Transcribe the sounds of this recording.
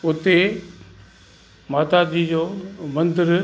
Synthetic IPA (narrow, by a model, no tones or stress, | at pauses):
ʊt̪e | maːt̪ad͡ʑid͡ʑoːmɐ̃nd̪ɪɾ